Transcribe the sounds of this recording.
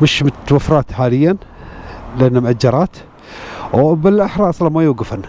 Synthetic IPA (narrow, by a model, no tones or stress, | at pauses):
mɪʃmɪt̪wafɾˤɑːt̪ħaːlɪjːan | lɪʔanːamʔad͡ʒːɑɾˤɑːt̪ | bɪlʔaħɾˤɑːʔɑsˤlɑnmajuːɡɪfan